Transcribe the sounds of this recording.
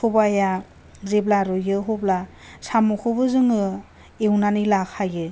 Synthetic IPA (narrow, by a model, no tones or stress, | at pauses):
obaja | zeblaɾɯjɯɦoblasamɔkʰɯbɯzɯŋɯ | ewnanɯlakʰajɯ